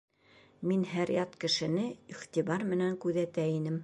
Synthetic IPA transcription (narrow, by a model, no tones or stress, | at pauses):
minɦæɾjɑt̪kɘ̆ʃɘ̆nɘiχt̪iβɑɾmɘ̆næŋkʉðæt̪æinɘm